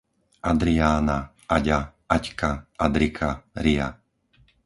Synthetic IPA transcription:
ʔad̪ɾiaːna | aɟa | ackaad̪ɾikʰaɾia̰

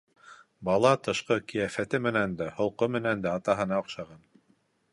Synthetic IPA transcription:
bɑlˠɑt̪ɤ̆ʃqɤkijæfæt̪ɘmɘ̆nænd̪æhŏlˠqomɘ̆nænd̪æɑt̪ɑɦɤ̆nɑŏqʃɑʁɑn

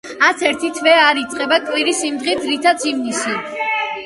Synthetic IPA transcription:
at̪sʰɛɾt̪ʰit̪ʰvɛaɾit̪sʼqʼɛbakʼwiɾisimd̪ʁidd̪zɾit̪ʰat̪sʰimnisi

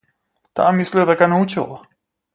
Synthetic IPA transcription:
t̪a̰mislid̪aɡanaut͡ʃilˠa

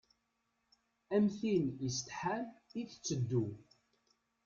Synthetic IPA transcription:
æmθinjəst̪ħamiθt͡sːəd̪ːu

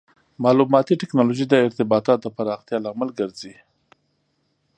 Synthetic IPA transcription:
mɑlumɑt̪iʈɪknɑloʒid̪əɪɾt̪ɪbɑt̪ɑt̪̚d̪əpaɾɑxt̪jɑlɑmalɡəɾzi

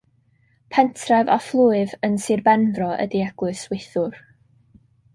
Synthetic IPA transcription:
pʰɛntʰravɔ̰flˠuɨvənsɨrbɛnvrɔə̰diɛɡ̥lʊswɪθʊr

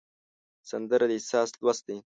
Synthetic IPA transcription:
sɐnd̪əɾad̪isɑːslwɐst̪i

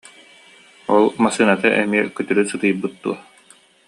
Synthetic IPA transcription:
ɔlˠmasɯːnat̪aʔɛmiɛkyt̪yɾysɯt̪ɯjɯbːɯt̪ːṵɐ

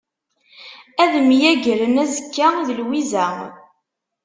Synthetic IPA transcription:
æðəmjæɡəɾənæzəkːæiðəlwizæ

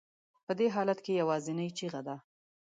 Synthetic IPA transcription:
pəd̪eɦɑlat̪kejawɑzɪnəjt͡ʃiɣad̪a

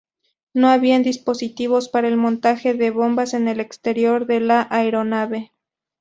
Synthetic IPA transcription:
no̞aβiand̪ispo̞sit̪iβo̞spaɾaelmont̪axe̞ðe̞βo̞mbase̞ne̞le̞kst̪e̞ɾjo̞ɾðe̞laʔaeɾo̞naβe̞

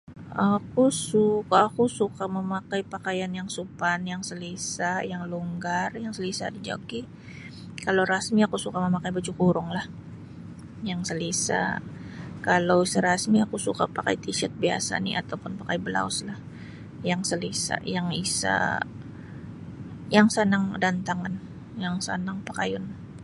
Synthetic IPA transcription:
akusukaːkusukaməmakaipakajanjaŋsupanjaŋsəlisajaŋluŋɡarjaŋsəlisa̰did͡ʒa̰ɡi | kalowɾasmiakusukaməmakajbat͡ʃukuɾʊŋlah | jaŋsəlisa̰ | kalawsəɾasmiakusuka̰paka̰jt̪iʃat̪̚bia̰sa̰nḭʔa̰t̪awpʊnpakajbəla̰ʊslah | jaŋsəlisa̰jaŋisa̰ | jaŋsənaŋdant̪aŋan | jaŋsə̰naŋpḁkajʊn

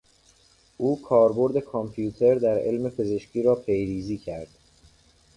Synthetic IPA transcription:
ʔuːkʰɒːɾbo̞ɾd̪e̞kʰompʰjuːt̪ʰe̞ɾd̪æɾe̞̰lme̞pʰe̞ze̞ʃcʰiːɾɒːpʰe̞jɾiːziːcʰæɾd̪̥

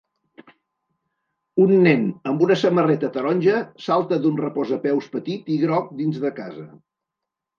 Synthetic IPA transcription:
unːɛnəmbunəsəmərɛt̪ət̪əɾɔnʲʒəsalˠt̪əðunrəpɔzəpɛwspət̪it̪iɣɾɔk̚d̪inzðəka̰zə

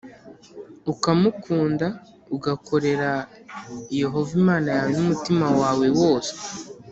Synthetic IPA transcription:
ukamukʰuːnda | uɡako̞ɾe̞ɾa | je̞ɦo̞vimaːnajaːwenumutimawaːwe̞wo̞ːse̥

